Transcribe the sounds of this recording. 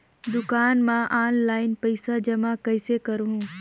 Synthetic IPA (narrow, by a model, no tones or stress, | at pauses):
d̪ʊkaːnmãʔaːnlaːɪnpəɪsad͡ʒɐmãkɐɪsekɐɾũ